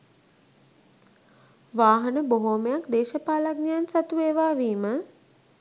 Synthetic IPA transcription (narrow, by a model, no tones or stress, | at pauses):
ʋaːɦənəboɦoːməjakd̪eːʃəpaːlaɡɲaːnsat̪ueːʋaːʋiːmə